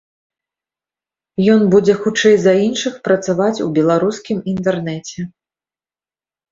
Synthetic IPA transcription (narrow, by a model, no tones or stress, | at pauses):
jɔnbud͡zʲɛxut͡ʂɛjzainʂɨxpɾɐt̪savat͡sʲṵbʲɛlˠaɾuskʲimint̪ɛrnɛt͡sʲɛ